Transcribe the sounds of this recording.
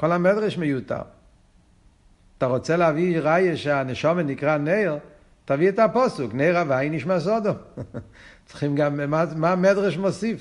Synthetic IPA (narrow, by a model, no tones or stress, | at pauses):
kɔlamɛdʁɛʃmejuta̰ | taʁot͡sɛlaviʁajəʃeanɛʃɔmenikʁaneɪʁ | taviɛtapɔsukneɪʁavaɪniʃmas̬ɔdɔm | t͡sχimɡammamamɛdʁɛʃmɔsif